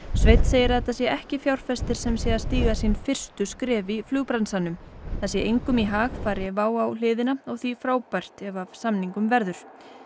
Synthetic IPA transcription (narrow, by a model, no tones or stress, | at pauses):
svejt̪seːjɪɾ̥θɛt̪asjɛʔɛhcɪfjawɾ̥fɛst̪ɪɾ̥sɛmsjɛast̪iːɣasinfɪr̥st̪ʏskɾɛːviflʏːɣpɾansanʏmθasjɛʔejŋkʏmiɦaːxfaːɾɪvaːwawl̥ɪːðɪnaɔɣθifɾaːwpajr̥t̪ɛvasamniŋkʏmvɛɾðʏɾ̥